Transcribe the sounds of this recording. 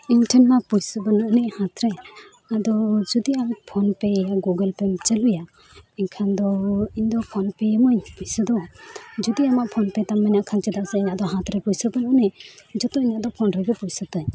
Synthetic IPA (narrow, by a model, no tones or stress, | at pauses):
inʈəɾːapujsəbɔnaʔnɛʔhãt̪ɾɛ | ad̪ɔd͡ʒɔd̪iamaʔpʰɔnpɛɛjaɡuɡəlpɛmt͡ʃəluja | ɛɲkʰand̪ɔiɲd̪ɔpʰɔnpɛjemɔɲpujsəd̪ɔd͡ʒɔd̪iamaʔpʰɔnpɛt̪amːaɲaʔkʰant͡ʃɛd̪aʔsɛiɲaʔd̪ɔɦãt̪ɾɛpujsəbɔnɔʔnɛʔd͡ʒɔt̪ɔiɲaʔd̪ɔpʰɔnɾɛɡɛpujsɔt̪aɲ